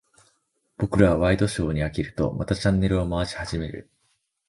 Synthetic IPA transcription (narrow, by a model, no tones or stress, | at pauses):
b̥o̞kɯ̟ɾaβaβaid̪o̞ɕo̞ːɲ̟iakʲiɾɯ̟t̪o̞̰ma̰t̪at͡ɕãnːe̞ɾɯ̟omaβaɕi̥haʑime̞ɾɯ̟̰